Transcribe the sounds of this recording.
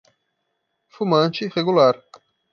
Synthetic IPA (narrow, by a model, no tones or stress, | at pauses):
fumɐ̃nt͡ʃɪʁeɡulaɾ